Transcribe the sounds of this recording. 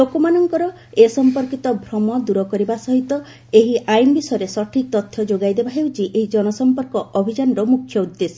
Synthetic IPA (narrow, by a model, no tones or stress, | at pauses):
lokomanɔŋkɔɾɔ | esɔmpɔɾkit̪ɔbʱɾɔmɔd̪uɾɔkɔɾibasɔɦit̪ɔ | eɦiʔajnɔbisɔjɔɾesɔʈʰik̚t̪ɔt̪ʰːjɔd͡ʒoɡajd̪ebaɦewt͡ʃʰiʔeɦid͡ʒɔnɔsɔmpɔɾkɔɔbʱid͡ʒanɾɔmukʰjɔud̪ːesɔ